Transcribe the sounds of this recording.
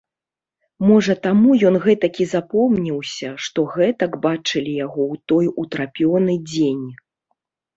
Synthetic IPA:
mɔʐɐt̪amujɔnɣɛt̪ɐkʲizapɔmnʲiwsʲɐʂt̪ɔɣɛt̪ɐkbat͡ʂɨlʲijaɣɔwt̪ɔjut̪ɾapʲjɔnɨd͡zʲenʲ

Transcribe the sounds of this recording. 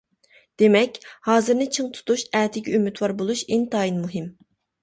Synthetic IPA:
d̪̥emɛkʲhɑːzɨɾnɨt͡ʃʰɨŋt̪ʰu̥t̪uʃæːt̪ʰɪɡʲɛymyt̪ʰwɑɾbolˠuʃænt̪ʰɑːinmuɦɪm

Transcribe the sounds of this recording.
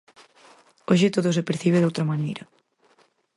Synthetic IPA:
oʃet̪oðos̬epeɾθiβ̞eðowt̪ɾamanejɾɐ

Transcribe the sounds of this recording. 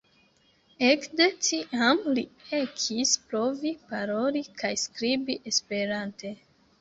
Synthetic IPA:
ekde̞tiʔamliekʰispɾo̞vipaɾo̞likʰajskɾibiʔe̞spe̞ɾante

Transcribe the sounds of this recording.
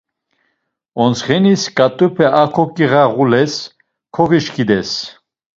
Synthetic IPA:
ɔnsχɛniskʼat̪ʼupʰɛʔakʰɔkʼiʁaʁulɛs | kʰɔɣiʃkʰid̪ɛs

